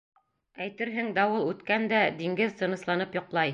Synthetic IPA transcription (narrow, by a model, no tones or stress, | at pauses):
æjt̪ɘɾɦɘŋd̪æwɤlˠʉt̪kænd̪æd̪iŋɡɘðt̪ɤ̆nɤ̆slˠɑnɤpjŏqlˠɑj